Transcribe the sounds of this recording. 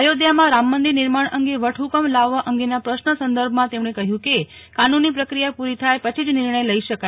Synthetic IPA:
əjod̪jamãɾamːənd̪inɪɾmaɳəŋɡeʋəʈʰukəmlaʋːaʔəŋɡenapɾəʃnəsənd̪əɾbʱmãt̪emɳekəɦjũke | kanunːipɾəkɾijapuɾit̪ʰajpət͡ʃʰid͡ʒnɪɾɳəjləiʃəka

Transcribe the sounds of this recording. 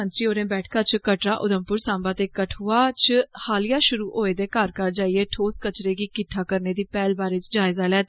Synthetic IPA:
ənt̪ɾiːoːɾẽːbɛːʈʰkaːt͡ʃkəʈɾaːʔʊd̪əmpʊɾsãːmbaːt̪eːkəʈʰuːaːt͡ʃhaːlɪjaːʃʊɾuːʔoːeːd̪eːkaːɾkəɾd͡ʒaːieːʈʰoːskət͡ʃɾeːɡiːkɪʈʰːaːkəɾneːd̪iːpɛːlbaːɾeːt͡ʃd͡ʒaːɪzaːlɛːt̪ː

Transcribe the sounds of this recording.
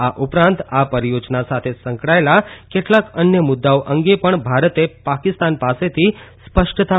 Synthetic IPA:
aʔupɾãnt̪apəɾijod͡ʒnasat̪ʰesə̃ŋkɽaelakeʈlakənjəmʊd̪ːaoʔəŋɡepəɳbʱaɾət̪epakɪst̪anpaset̪ʰispəʃʈət̪a

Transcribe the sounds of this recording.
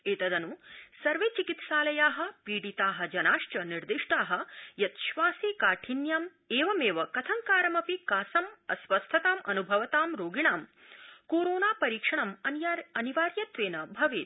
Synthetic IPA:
eːt̪ɐd̪ɐnusɐɾʋeːt͡ʃikit̪ʃaːlɐjaːɦɐ̆piːɽit̪aːɦɐ̆d͡ʒɐnaːʂt͡ʃɐniɾd̪iʂʈaːɦɐ̆jɐt̪ʃʋaːsikaːʈʰinjaːm | eːʋɐmeːʋɐkɐt̪ʰɐŋkaːɾɐmɐpikaːsɐmɐ̰sʋɐst̪ʰɐt̪aːmʔɐ̰nubʱɐʋɐt̪aːmɾoːɡiɳaːm | koːɾoːnaːpɐɾiːkʂɐɳɐmɐnɐniʋaːɾjɐt̪ʋeːnɐbʱɐʋeːt̪̚

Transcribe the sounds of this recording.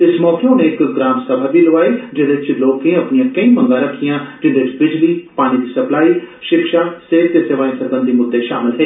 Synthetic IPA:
ɪsmɔːkeõnẽːɪkɡɾaːmsəbʱaːbiːlʊʋaːeːd͡ʒeɽɪt͡ʃloːkẽːəpnijãːkəĩːmə̃ŋɡãːɾəkʰːijãːd͡ʒɪnd̪eːbɪd͡ʒliːpaːñid̪iːsəplaːiːʃɪkʃaːseːkt̪eːseːʋaːĩsəɾbə̃nd̪iːmʊd̪ːeʃaːmɪlɦɛeː

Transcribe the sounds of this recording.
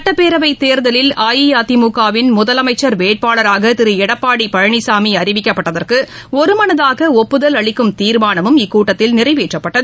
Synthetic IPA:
ɐʈːɐpːeːɾɐʋɐɪt̪eːɾðɐlɪlaːjijaːt̪imuːkːaːʋɪnmʊðɐlɐmɐɪt͡ʃːɐɾʋeːʈ̚paːɭɐɾaːɣɐt̪ɪɾɯɛɽɐpːaːɽipɐɻɐɳɪsaːmiɐɾɪʋɪkːɐpːɐʈːɐðɐrkɯɔɾɯmɐnɐðaːɣɐɔpːɯðɐlɐɭɪkːɯmt̪iːɾmaːnɐmɯmɪkːuːʈːɐt̪ːɪlnɪrɐɪʋeːʈrɐpːɐʈːɐðɯ

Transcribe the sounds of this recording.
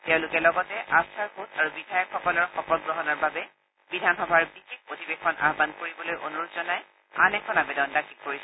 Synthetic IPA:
tɛ̃ʊ̃lʊkɛlɔɡɔtɛʔasaɹxotaɹubidʱajɔkxɔkɔlɔɹxɔpɔɡ̚ɡɹɔɦɔnɔɹbabɛ | bidʱanɦɔbʱaɹbikek̚potʰibekʰːɔna̰ɦbankoɹibɔlojʔonuɹutzɔnaj | a̰nɛkʰɔnabedɔndakʰikkoɹisɛ

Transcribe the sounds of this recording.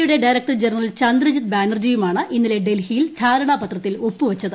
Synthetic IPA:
juɽe̞ɖɐjɾɐk̚ʈɐrd͡ʑenɐrɐlt͡ɕɐnd̪rɐd͡ʑit̪̚baːnɐrd͡ʑiːjumaːɳɨʔinːile̞ɖe̞lhijilt̪ʰaːɾɐɳaːpɐt̪rɐt̪ːilo̞pːuʋɐt͡ɕːɐðɨ

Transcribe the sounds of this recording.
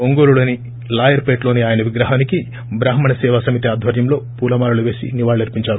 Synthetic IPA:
oŋɡoːɾuloːni | laːjɐɾpeːʈloːniaːjɐnɐʋiɡɾɐɦaːniki | bɾaːɦɐmɐɳɐsɛːʋaːsɐmit̪iaːd̪ʱʋɐɾjɐmlo̞ːpuːlɐmaːɾuluʋe̞ːsḭniʋaːɭɐɐɾpiɲt͡ʃaːɾu

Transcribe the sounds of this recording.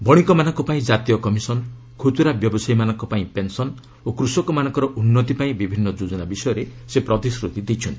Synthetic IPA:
bʱɔɽ̃ikɔmanɔŋkɔpaĩd͡ʒat̪ijɔkɔmisɔn | kʰut̪uɾabjɔbɔsajmanɔ̃ŋkɔpaĩpensɔn | okɾusɔkɔmanɔ̃ŋkɔɾɔʔunːɔt̪ipaĩbibʱinːɔd͡ʒud͡ʒɔnabisɔjɔɾesepɾɔt̪isɾut̪id̪it͡ʃʰɔnt̪i

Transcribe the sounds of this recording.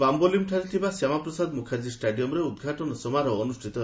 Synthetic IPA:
bambolimʈʰaɾit̪ʰibasamapɾɔsad̪mukʰad͡ʒisʈaɖiɔmɾeud̪ɡʱaʈɔnɔsɔmaɾɔːnusʈʰit̪ɔ

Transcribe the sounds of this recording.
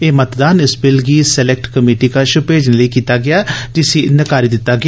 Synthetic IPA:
eːmət̪d̪aːnɪsbɪlɡiːsɛlɛk̚ʈkəmeːʈiːkaːʃʊpeːd͡ʒnləiːkiːt̪aːɡɪaːd͡ʒɪsiːnɪkaːɾiːd̪ɪt̪ːaːɡɪ

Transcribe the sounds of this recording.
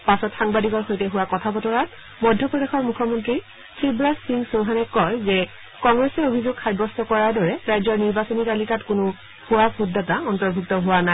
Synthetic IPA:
pasɔtxaŋbadikɔɹxojtɛɦʊwakɔtʰapɔtɔɹat | mɔdʱːɔpɹɔdexɔɹmukʰːɔmɔntɹi | tʰibɹasiŋsoɦanɛkɔjzɛ | kɔŋɡɹɛsɛobʱizoɡxʰajbɔstɔkɔɹaɹdɔɹɛɹajzɔɹniɹbasonitalikatkʊnʊ | huwakhudːataɔntɔɹbʱuktɔɦʊwanaj

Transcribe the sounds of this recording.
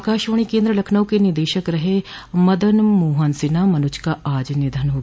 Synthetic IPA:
kaːʃoːɽ̃ikẽːnd̪ɾəlɐkʰnəʋ̃kenɪɾd̪eːʃəkɾɐɦe | mɐd̪ənmoːɦənsɪnamɐnʊt͡ʃkaʔaːd͡ʒnɪd̪ʱənɦoːɡ

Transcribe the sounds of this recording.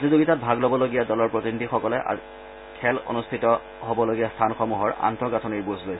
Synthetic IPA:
zizoɡitat̚bʱaɡlobɔloɡijadɔlɔɹpɹotinidʱixɔkɔlɛʔa̰ | kʰɛlo̰nustʰitɔ | ɦobɔloɡijastʰanxɔmuɦɔɹa̰ntɔɡatʰɔniɹbozlojsɛ

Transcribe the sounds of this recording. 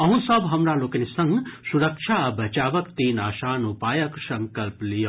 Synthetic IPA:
ɐɦũsɐbʱɦɐmɾaloːkɐnisɐŋɡsuɾɐkʃʰabɐt͡ʃaːʋɐkt̪iːnaːʃanupaːjɐksɐŋkɐlplijo

